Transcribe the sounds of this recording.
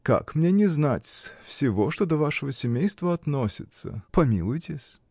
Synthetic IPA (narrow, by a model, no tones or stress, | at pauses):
ka̰kmnʲenʲɪznatʲsfsʲɪvo̞ʂt̪od̪əvaʂɨvəsʲɪmʲejst̪vəɐt̪nosʲɪt̪sə̰pɐmʲilˠʊjtʲɪsʲ